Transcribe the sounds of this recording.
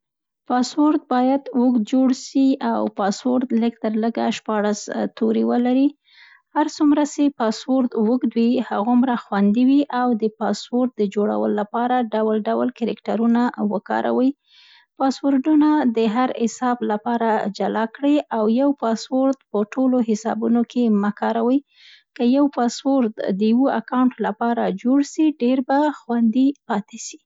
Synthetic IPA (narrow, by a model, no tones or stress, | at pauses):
pɑswoɾt̪̚bɑjad̪wʊk̪̚d͡ʒoɽʃiʔawpɑswoɾt̪ləkt̪əɾləɡaʃpɑɽast̪oɾiwəlaɾi | haɾt͡sumɾasepɑswoɾt̪wəkd̪wihaɣomɾaxwand̪iwiʔawd̪əpɑswoɾt̪̚d̪əd͡ʒoɽa̰wə̰loːapɑɾaɖawalɖawlkaɾɪkʈaɾunawəkɑ̰ɾʔa̰wəj | pɑswoɾɖunad̪əɦaɾhɪsɑblapɑɾad͡ʒalakɽiʔawjawpɑswoɾd̪̚pəʈoloɦɪsɑ̰bunokeməkɑɾawəj | kəjawpɑswoɾd̪d̪əjwoakawɳʈlapɑɾad͡ʒoɽsiɖeɾbaxwand̪ipɑt̪eʃi̥